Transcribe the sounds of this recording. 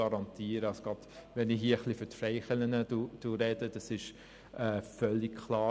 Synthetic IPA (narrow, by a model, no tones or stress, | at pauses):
ɑɾɑntʰiːɾəɑsoɡ̥ʁɑd̥ʋɛnɪɦiːəəχlifytfɾɛɪχɛlənədud̥uɾɛd̥əd̥ɑsɪʃ | ɛːfœlːɪkkʰlɑː